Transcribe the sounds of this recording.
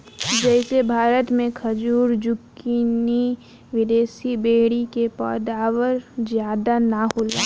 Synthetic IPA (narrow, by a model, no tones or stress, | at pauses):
d͡ʒɛɪsebʱaːɾət̪mẽkʰəd͡ʒuːɾd͡ʒʊkːini | ʋɪd̪eːsibeːɽikepɔ̰ːd̪aːwəɾzjaːd̪anahoːla̰ː